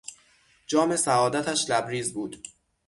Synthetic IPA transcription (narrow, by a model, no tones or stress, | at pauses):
d͡ʒɒːme̞sæɒːd̪æt̪ʰæʃlæbɾiːzbuːd̪̥